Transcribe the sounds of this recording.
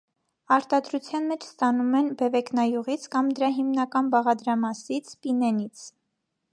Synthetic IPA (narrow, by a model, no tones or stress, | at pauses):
ɑɾt̪ɑd̪ɾut͡sʰjɑnmɛt͡ʃʰst̪ɑnumɛnbɛvɛknɑjuʁit͡sʰkɑmd̪əɾɑɦimnɑkɑnbɑʁɑd̪ɾɑmɑsit͡sʰpinɛnit͡sʰ